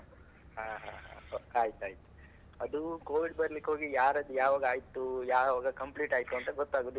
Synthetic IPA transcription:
ɦãːɦã̰ːɦa̰aːjt̪uaːjit̪u̥ | ɐd̪ukoːʋiɖbɐɾlikːɦo̞ːɡijaːɾɐd̪ujaːʋaːɡɐaːjt̪ːujaːʋaːɡɐkɐmpliːʈaːjit̪ːuɐnt̪ɐɡɔt̪ːaːɡoːd̪i

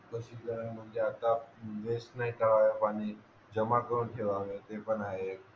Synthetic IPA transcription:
kəɕik̪əɾənmənd͡ʑeat̪ad̪esnaɦikəɾaʋepaɽ̃i | d͡ʑəmakəɾuːnkʰeʋaʋet̪epənaɦe

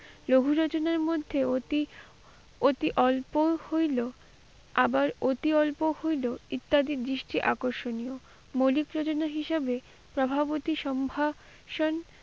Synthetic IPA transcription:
loɡʱuɾɔt͡ɕonaɾmod̪ʱːeot̪i | ot̪iʔɔlpohojlo | abaɾot̪iɔlpohojloit̪ːad̪id̪ɾiʃʈiʔakoɾʃonijo | molikɾot͡ɕonaɦiʃabe | pɾobʱabot̪iʃɔmbʱa | ʃon

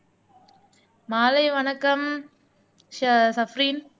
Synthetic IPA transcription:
maːlɐɪʋɐnɐkːɐm | ʃɐsɐfɾiːn

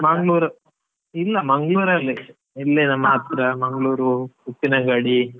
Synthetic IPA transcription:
mɐŋɡɭuːɾɐ | ilːɐmɐŋɡɭuːɾɐlːi | ilːenɐmaːt̪ɾɐmɐŋɡɭuːɾukupːinɐɡɐɽi

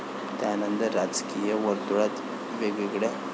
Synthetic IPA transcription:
t̪janənd̪əɾad͡zkijəʋəɾd̪uɽat̪ | ʋeɡiɡɽe

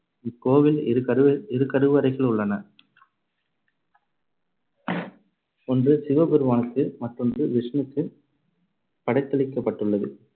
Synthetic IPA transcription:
ɪkːoːʋɪlɐɪɾɯkːɐɾɯʋɐɾɐɪɣɐɭʊɭːɐnɐ | ɔndrɯsɪʋɐbɪɾɯmaːnɯkːɯmɐʈrɔndrɯʋɪʂɐnɯkːɯ | pɐɽɐɪt̪ːɐɭɪkːɐpːɐʈːɯɭːɐðɯ

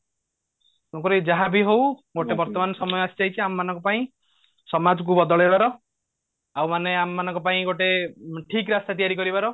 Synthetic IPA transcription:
ɔkoɾid͡ʒaɦabʱiɦowɡoʈebɔɾt̪ɔmanɔsɔmɔjɔasi̥t͡ʃait͡ʃʰiamɔmanɔ̃ŋkɔpaĩ | sɔmad͡ʒɔk̬ubɔd̪ɔɭebaɾɔ | awmaneamːanɔŋkɔpaĩɡoʈeʈʰikɾast̪at̪ijaɾikɔɾibaɾɔ

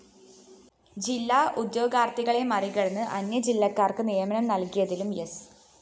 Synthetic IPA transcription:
d͡ʑilːaːʔud̪jo̞ːɡaːrt̪iɣɐɭemɐriɣɐɽɐnːɨʔɐnjɐd͡ʑilːɐkːaːrkɨnijɐmɐɳɐmnɐlkijɐðilumjes

